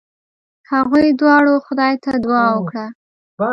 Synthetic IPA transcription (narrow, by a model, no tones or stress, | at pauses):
haɣujd̪wɑɽoxʊd̪ɑjt̪ad̪wɑwəkɽa